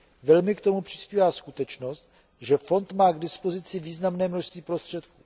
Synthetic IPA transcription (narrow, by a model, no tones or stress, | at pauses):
vɛlmɪkt̪o̞mupr̝̥ɪ̥spiːvaːskut̪ɛt͡ʃno̞st̪ | ʒɛfo̞nt̪maːɡdɪspo̞zɪt͡sɪviːznamnɛːmnoʃst̪viːpɾo̞st̪r̝̥ɛt̪ku̥ː